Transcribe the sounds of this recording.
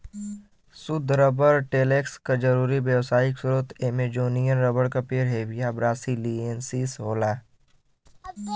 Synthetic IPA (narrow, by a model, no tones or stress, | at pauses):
sʊd̪ʱɾəbəɾʈeːleːkskad͡ʒɐɾuːɾiʋjəʋsaːɪksʊɾʊt̪eːmed͡ʒoːnijənɾəbəɽkapeːɾɦeːʋijabɾaːsiliːensiːsɦoːlaː